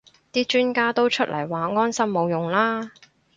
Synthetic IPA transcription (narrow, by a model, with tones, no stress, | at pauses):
t̪iː˥t͡ʃyː˥nkaː˥t̪o˥wt͡ʃʰɵ˥t̚lʔɐ̰˨˩jwaː˨˧ŋɔː˥nsɐ˥mːo˨wjʊ˨˩ŋlaː˥